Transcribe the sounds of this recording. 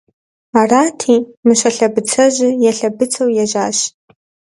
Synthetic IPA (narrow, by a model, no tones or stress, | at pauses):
araːtʰimɨʃʷɐɬɐbɨt͡sʰɐʒɪjɛɬɐbɨt͡sʰɐwjɛʒaːʃ